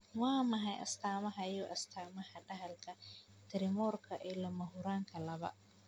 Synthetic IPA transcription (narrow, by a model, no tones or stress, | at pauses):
wɑːmɐɦɛjʔɐ̰st̪ʰaːmɐɦɐjuːʔɐst̪ʰaːmɐhɐɖɐɦɐlkʰɐ | t̪ʰɪɾɪmɔrkʰɐʔɛlɔmɐɦʊɾaːŋkʰɐlɐβɐ̰